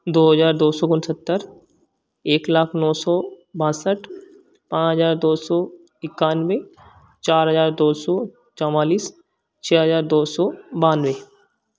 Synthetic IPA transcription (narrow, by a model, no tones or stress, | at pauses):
d̪oːɦəzaːɾd̪oːsɔɡʊnsət̪ːəɾ | eːklaːkʰnɔːsɔː | bãːsəʈʰ | pãːɦəzaːɾd̪oːsɔː | ɪkːaːnwe | t͡ʃaːɾɦəzaːɾd̪oːsɔː | t͡ʃɔmaːliːs | t͡ʃʰɛːɦəzaːɾd̪oːsɔːbaːnʋeː